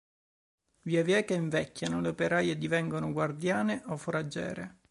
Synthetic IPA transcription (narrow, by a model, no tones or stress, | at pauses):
viavjɛːkeiɱvɛkːanoleopeɾaːjed̪ivɛŋɡonʊɡward̪jaːneʔɔfoɾad͡ʒːɛ̰ːɾḛ